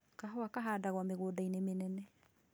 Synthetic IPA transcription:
kaɦɔakaɦaːdaɣwameɣoːdainemenɛnɛ

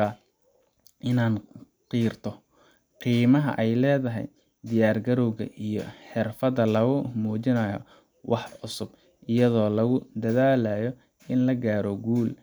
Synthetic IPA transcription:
ɐ | ʔɪnaːn | qiːrt̪ʰɔ | qiːmɐɦɐ̰ʔɛjlɛːðɐɦɛ̰j | d̪ɪjaːrɡɐɾɔwɣɐ̰ʔijɔ̰ħɪrfɐd̪ɐlɐɣʊmuːt͡ʃɪnɐjɔ̰ | wʔɑħʕʊsʊb̚ | ʔɪjɐðɔːlɐɣʊd̪ɐðaːlɐjɔ | ɪnlɐɡaːɾɔɡuːl

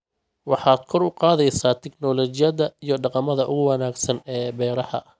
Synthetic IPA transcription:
wɑħɑːd̪kʰɔrʊqɑːðɛjsaːt̪ʰɛknɔlɔt͡ʃɪjɐðɐijɞɖɑqɑmɐðɐʔʊɣʊwɐnaːɡsɐnɛːbɛːɾɐhɐ

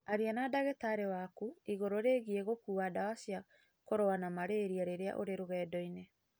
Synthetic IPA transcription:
aɾianadaɣetaɾewakuiɣoɾoɾeːɣieɣokuːadawasia | koɾɔanamaɾeːɾiaɾeɾea̰ʔo̰ɾeɾoɣɛːdɔine

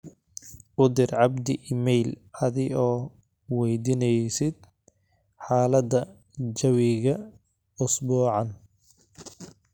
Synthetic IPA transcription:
ʔʊd̪ɪrʕɑbd̪ɪʔimɛjlʔɐðɪɔː | wɛjd̪ɪnɛjsɪd̪̚ | ħaːlɐd̪ɐ | d͡ʒɐwɪɣɐ | ʊsbuːʕɑn

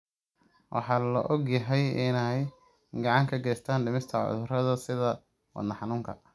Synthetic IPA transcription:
wʔɑ̰ħɑːlɐ̰ʔɔɡjɐɦɛjɪnɛj | ɡɑʕɑŋkʰɐɡɛːjst̪ʰaːnɖɪmɪst̪ʰɐʕɔ̰ðʊrɐðɐsɪðɐ | wɑ̰d̪nɐħɑnuːŋkʰɐ̰

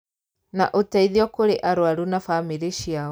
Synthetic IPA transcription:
naʔotaiðiɔkoɾeʔaɾwaɾunafamiɾeʃiaɔ

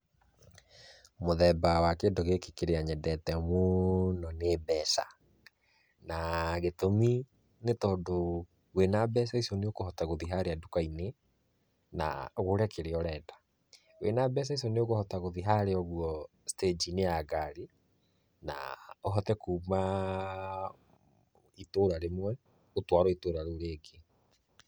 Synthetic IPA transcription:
moðɛːbawakedoɣekekeɾeaɲɛdɛtɛmonɔnebɛsa | naɣetomi | netɔːndo | wenabɛsaisɔneokohɔtaɣoðiɦaɾeadukaine | na̰oɣoɾɛkeɾeɔɾɛːtḁ | wḛnabɛs̬aisɔneoɣohɔtaɣoðiɦaɾeɔɣuɔ | sted͡ʒineaɡaɾe | na̰oɦɔtɛkuːma | itoːɾaɾemwɛ | otwaːɾɔitoːɾaɾoɾeːke

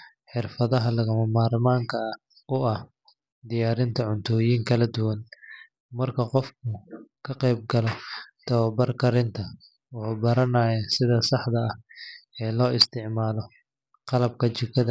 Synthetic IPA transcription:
ħɪrfɐðɐɦɐlɐɣɐmɐmaːɾɪmaːŋkʰɐː | ʊɐh | d̪ɪjaːɾɪnt̪ʰɐʕʊnt̪ʰɔːjiːŋkʰɐlɐd̪ʊwɐn | mɐrkʰɐqɔfkʰʊkʰɐqɛjb̚ɡɐlɔt̪ʰɐwɐbɐrkʰɐɾɪnt̪ʰɐ | wʊbɐɾɐnaːjɛsɪðɐsɑħd̪ɐɐhɛːlɔːʔɪst̪ʰɪʕmaːlɔ | qɑlɐb̚kʰɐt͡ʃɪkʰɐðɐ

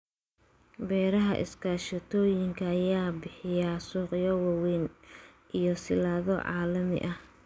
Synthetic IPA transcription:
bɛːɾɐɦɐ̰ʔɪ̰skʰaːʃɐt̪ʰɔːjɪŋkʰɐːjaːbɪħɪjaːsuːqjɔwɐwɛːnʔijɔsɪlaːðɔʕɑ̰ːlɐmɪ̰ʔɐh

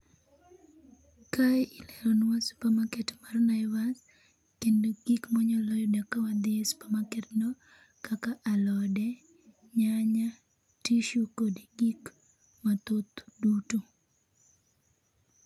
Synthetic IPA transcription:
kailɛɾɔnwasu̥pamakɛtmarnajwas | kendoɡikmaɲɔlɔjɔdakawad̪ɪɛsu̥pamakɛtnɔ | kakaʔalɔdɛ | ɲaɲa | tiʃukodiɡik | mat̪ot̪duto

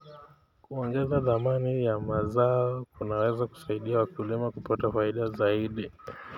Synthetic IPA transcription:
kuɔŋɡɛzaðamanijamazaɔkunawɛzaku̥saiɗiawakulimakupatafaiɗazaiɗi

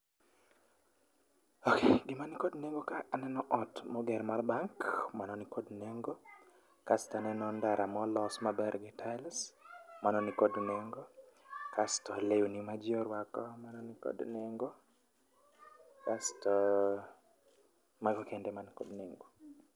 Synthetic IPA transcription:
okʰeɡɪmanikodneŋɡokaʔanɛnɔʔɔtmɔɡɛɾmarbaŋkmanɔnikodneŋɡo | kastanɛnɔndaɾʔamɔlɔsmabɛɾɡɪtʰaɪlsmanɔnikodneŋɡokʰastɔlewnimad͡ʒioɾwakɔmanɔniko̰dneŋɡo | kastɔ | maɡɔkɛndɛmanikodneŋɡo

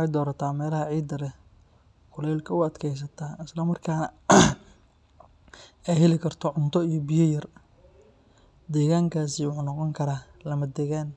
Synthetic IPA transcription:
wħɛjd̪ɔːɾɐt̪ʰaːmɛːlɐhɐʕiːd̪ɐlɛ | kʰʊlɛjlkʰɐʊɐd̪kʰɛjs̬ɐt̪ʰaːɪslɐmɐrkʰaːnɐ | ɛjɦɛlɪkʰɐrt̪ʰɔʕʊnt̪ʰɔijɔbɪjɐjɐr | d̪ɛːɣaːŋkʰaːs̬iwʊħʊnɔqɔŋkʰɐɾaːlɐmɐd̪ɛːɣaːn

